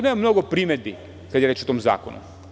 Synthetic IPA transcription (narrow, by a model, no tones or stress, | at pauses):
nemamno̞ɡopɾimed̪̚bi | kad̪jeɾet͡ʃot̪oːmza̰ːko̰nṵ